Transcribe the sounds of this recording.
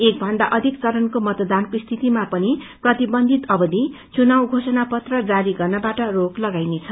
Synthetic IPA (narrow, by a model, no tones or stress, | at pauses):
ek̚bʱʌnd̪aʔʌd̪ʱikt͡sʌɾʌnkomʌt̪d̪ankost̪ʰit̪imapʌni | prʌt̪ibʌnd̪ʱit̪ʌbʌd̪ʱi | t͡sunawɡʱosʌnapʌt̪rʌd͡zaɾiɡʌrnʌbaʈʌroklʌɡajnet͡sʰʌ